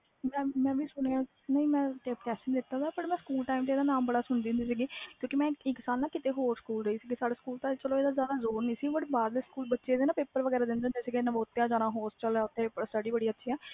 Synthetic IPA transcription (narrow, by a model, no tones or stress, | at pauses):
mɛ̃ːmɛ̃ːʋiːsʊneãː | nəĩːmɛ̃ːʈepʰɛːʃənd̪ɪt̪ːaːd̪aːpəʈmɛ̃ːskuːlʈaːimt̪̬eːd̪aːnaːmbəɽaːsʊɳd̪iːʊ̃nd̪iːsiːɡiːkjõːkimɛ̃ːɪkːsaːlnaːkɪt̪eːɦoːɾskuːlɾəiːsiːɡiːsaːɽeːskuːlt̪ãt͡ʃəloːeːd̪aːzjaːd̪aːzoːɾnĩːsiɡbəɾbaːɾleskuːlbətːʃeːd̪eːnãːpɪːpːəɾʋəɡɛːɾaːd̪ɪnd̪ẽnd̪eːsiːɡeːnãːboːt̪ːeːaːd͡ʒaːnãːɦoːst͡ʃəlɛːʊt̪ʰːeːpɪpːəɾsʈəɖiːbəɽiːətːʃʰiːɛː